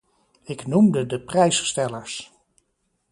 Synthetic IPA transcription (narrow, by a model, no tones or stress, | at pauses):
ɪknumdədəprɛjsstɛləɹs